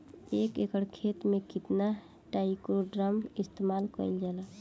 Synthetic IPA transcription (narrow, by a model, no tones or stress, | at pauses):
ekekəɽkʰet̪mẽkit̪na | ʈaikoɖɾəmist̪emalkə̰jld͡ʒəla